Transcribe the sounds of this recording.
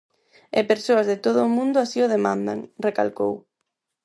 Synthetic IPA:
ɛpeɾsoɐzðɪt̪oðʊːmũnd̪ʊasiʊð̞emãnd̪a̰ŋreka̰lkow

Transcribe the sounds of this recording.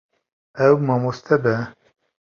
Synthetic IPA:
ɛwmɑːmost̪ʰɛbɛ

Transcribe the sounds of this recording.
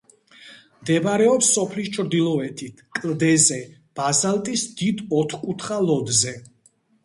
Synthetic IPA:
md̪ɛbaɾɛɔpsːɔpʰlist͡ʃʰɾd̪ilˠɔɛt̪ʰit̪ʰkʼld̪ɛzɛ | b̥azalt̪ʼisd̪̥id̪ɔt̪ʰkʼut̪ʰχalɔd̪zɛ

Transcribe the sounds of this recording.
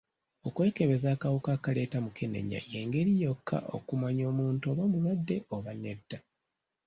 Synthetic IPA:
okwe̞ːke̞βe̞zaːkawokakale̞ːtamukene̞̰ɲa̰je̞ːŋɡe̞ɾijo̞kʰːa̰ʔo̞̰kumaɲo̞ːmuːntoːβo̞ːmulwadːe̞ʔoβane̞dːa

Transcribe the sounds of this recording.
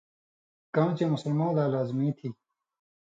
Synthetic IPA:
kãːnt͡ɕemʊsəlmãːlaːlaːzmĩːt̪ʰiː

